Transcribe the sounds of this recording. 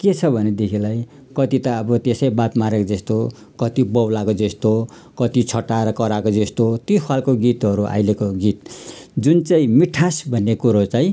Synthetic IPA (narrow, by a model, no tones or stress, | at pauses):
ket͡sʰʌbʱʌned̪ekʰilaj | kʌt̪it̪aʌbʌt̪esʌjbat̪maɾekod͡zʌst̪o | kʌt̪ibʌwlakod͡zest̪o | kʌt̪it͡sʰʌʈaɾʌkʌɾakod͡zest̪ot̪jokʰalkoɡit̪ʌɾuʔa̰jlekoɡit̪̚d͡zunt͡saĩmiʈʰasbʱʌnːekuɾot͡saĩ